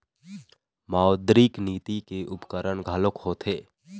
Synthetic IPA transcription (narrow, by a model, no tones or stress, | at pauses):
maːod̪ɾikniːt̪ikeʔʊpkəɾəɽɡʱaːlʊkhoːt̪ɦeː